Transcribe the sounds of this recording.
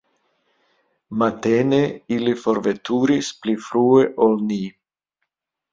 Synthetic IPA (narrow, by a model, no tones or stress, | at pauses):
mat̪eneilifoɾvet̪uɾisplifɾueʔolni